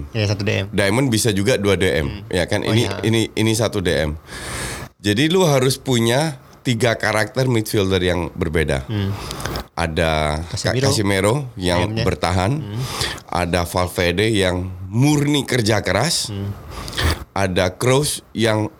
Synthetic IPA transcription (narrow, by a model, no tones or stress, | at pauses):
ɛdajmənbisad͡ʒuɡaduadeʔɛ̰mjakanʔḭniḭniinisat̪udeʔɛ̰m | d͡ʒadiluɦaɾʊspuɲa | t̪iɡakaɾak̚t̪ərmit̪fildərjaŋbərbeda̰ | ʔa̰daakasimeɾojaŋbərt̪aɦan | ʔa̰dafalfedəjaŋmurnikərd͡ʒakəɾas | ʔadakɾosjaŋ